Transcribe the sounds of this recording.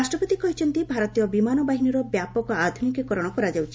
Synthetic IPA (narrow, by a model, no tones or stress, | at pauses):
asʈɾɔpɔt̪ikɔɦit͡ʃʰɔnt̪ibʱaɾɔt̪ijɔbimanɔbaɦinɔɾɔbjapɔkɔad̪ʱunikikɔɾɔɽ̃ɔkɔɾad͡ʒawt͡ʃʰi